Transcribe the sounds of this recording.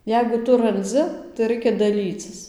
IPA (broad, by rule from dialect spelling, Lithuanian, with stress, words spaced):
ˈjɛɪɡʊ ˈtʊ rɐnʲˈd͡zʲɪ tɐɪ ˈrɐɪkʲɛ dɐˈlʲiːt͡sʲɪs